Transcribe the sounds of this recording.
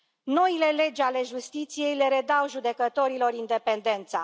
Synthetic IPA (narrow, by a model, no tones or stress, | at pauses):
no̞ile̞le̞d͡ʒale̞ʒust̪it̪sije̞jleɾe̞d̪awʒud̪e̞kət̪o̞ɾilo̞rind̪e̞pe̞nd̪e̞nt̪sa̰